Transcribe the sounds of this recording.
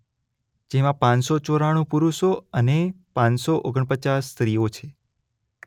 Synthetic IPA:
d͡ʒemãpãnsot͡ʃoɾaɽ̃ũpuɾuʃoəne | pãnsoʔoɡəɳpət͡ʃasːt̪ɾijot͡ʃʰe

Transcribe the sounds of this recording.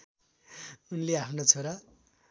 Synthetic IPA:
unleapʰnot͡sʰoɾa

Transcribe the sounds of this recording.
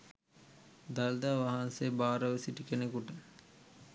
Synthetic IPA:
d̪ald̪aːʋaɦansebaːɾəʋəsiʈikenekuʈə

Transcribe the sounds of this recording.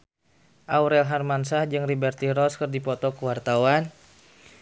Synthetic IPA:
ʔawɾɛlɦarmansahd͡ʒɨŋribɛrt̪iɾɔskərdipɔt̪ɔkəwart̪awan

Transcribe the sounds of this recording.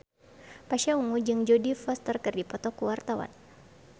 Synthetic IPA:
paʃauŋud͡ʒɨŋd͡ʒɔdifɔst̪ərkərdipɔt̪ɔkuwart̪awa̰n

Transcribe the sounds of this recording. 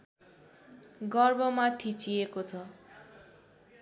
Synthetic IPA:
ɡʌrbʌmat̪ʰit͡sʰiekot͡sʰʌ

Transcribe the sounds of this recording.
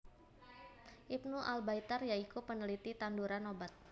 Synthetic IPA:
ʔip̚nuʔalbait̪ərjaikupənəlit̪it̪anduɾanobat̪̚

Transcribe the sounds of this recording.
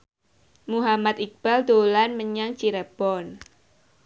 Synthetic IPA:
muɦamat̪ik̚b̥ald̪olanməɲaŋt͡ʃiɾab̥ɔn

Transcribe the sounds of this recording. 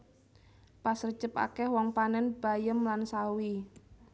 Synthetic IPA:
pasər̥d͡ʒ̥əpa̰kɛhwɔŋpanɛnb̥a̤jəmlansawi

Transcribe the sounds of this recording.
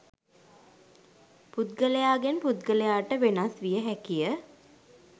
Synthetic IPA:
put̪̚ɡələjaːɡenput̪̚ɡələjaːʈəʋenasʋijəɦækijə

